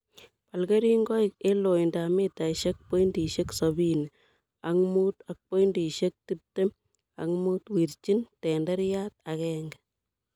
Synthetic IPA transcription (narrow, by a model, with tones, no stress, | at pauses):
pa˨lke˦ɾi˦ŋɡɔ˦ik̚e˦lo˨indame˦ta˨iʃek̚po˦indi˨ʃe˦ksɔbi˦n | aŋmu˦ta˨k̚po˦indi˨ʃek̚ti˦p̚te˦m | a̰˨ŋmu˦twi˨ɾt͡ʃi˦ntɛ˨ndɛ˦ɾjat̚akɛŋɡɛ